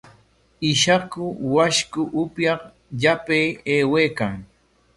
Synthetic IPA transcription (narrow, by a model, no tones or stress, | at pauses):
ɪʃakʊwaʃkʊʔʊpjɑχ | ʎapejeːwejkaŋ